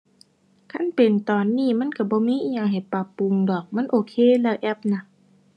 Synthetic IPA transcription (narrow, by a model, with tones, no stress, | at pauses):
kʰa˧˥˨npe˨˩nt̪ɔː˨˩nːiː˧˩˨ma˧˥˨nka˧˩bɔː˧˦miː˧˥˨ʔiː˧˨ɲa˧˨ŋɦa˨˩jpa˧˩pːu˧˨ŋdɔː˨˩k̚ma˧˥˨nʔoː˧˩kʰeː˧˨lɛː˧˩ʔɛ˧˩p̚na˧˨